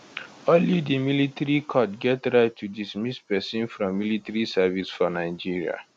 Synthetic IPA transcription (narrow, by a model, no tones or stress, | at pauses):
ɔnlidimilitaɹikʰɔtɡɛtɹaɪtʰːudismispɛsĩnfɹɔ̃mːilitaɹisavisfɔnaɪd͡ʒiɹia̰